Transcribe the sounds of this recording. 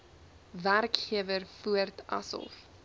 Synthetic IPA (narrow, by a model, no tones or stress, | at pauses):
værkχiəvərfuərtɐ̰sɔ̰lˠf